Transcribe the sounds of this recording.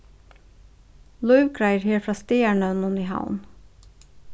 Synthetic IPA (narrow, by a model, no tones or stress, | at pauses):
lɔʏʋkʰɹæɪɹheːɹfɾɑːst̪eːæɳənʊniːhɑ̰ʊn